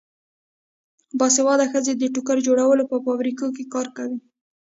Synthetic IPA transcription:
bɑsewɑd̪axəzed̪əʈʊkaɾd͡ʒoɽawəlopəfɑbɾikokekɑɾkawi

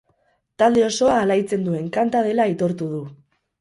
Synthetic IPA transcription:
t̪ald̪e̞o̞so̞aːlajt͡se̞nd̪ue̞ŋkant̪að̞e̞lait̪o̞ɾt̪uð̞u

